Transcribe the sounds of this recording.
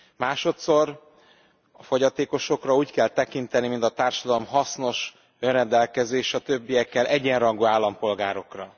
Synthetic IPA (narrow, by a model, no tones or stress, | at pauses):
maːʃo̞t̪so̞r | ɒfo̞ɟɒt̪eːko̞ʃo̞krɒuːckɛlt̪ɛkint̪ɛnimint̪ɒt̪aːrʃɒd̪ɒlo̞mɦɒsno̞ʃ | ønrɛnd̪ɛlkɛzeːʃɒt̪øbːijɛkːɛlʔɛɟɛnrɒŋɡoːaːlːɒmpo̞lɡaːɾo̞krɒ